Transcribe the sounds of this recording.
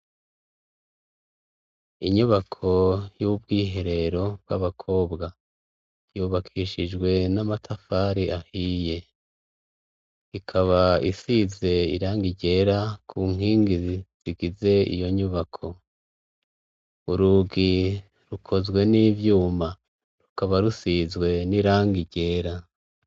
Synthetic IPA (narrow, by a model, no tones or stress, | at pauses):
iɲuβakʰo̞jubɡiːɦe̞ɾe̞ɾo̞bɡaβakʰo̞ːbɡa | juːβakʰiʃid͡ʒɡwe̞namatʰafaɾiahije̞ | ikʰaβaisize̞ḭɾaːŋɡiɟe̞ːɾakʰuŋ̥ɦiːŋɡiziz̥iɡize̞ḭjo̞ɲuβakʰo̞ | uɾuɡi | ɾukʰo̞zɡwe̞nivjuːma | ɾukaβaɾusizwe̞niɾaːŋɡiɟe̞ːɾa